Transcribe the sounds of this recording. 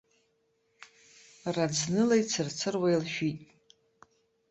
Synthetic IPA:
rad͡znɨlajt͡sʰɨrt͡sʰɨrwajlʃᶣitʼ

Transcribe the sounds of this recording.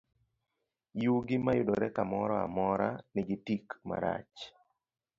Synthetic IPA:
juɡɪmajʊdɔɾɛkamɔɾɔa̰mɔɾanɪɡɪtikma̰ɾa̰t͡ʃ

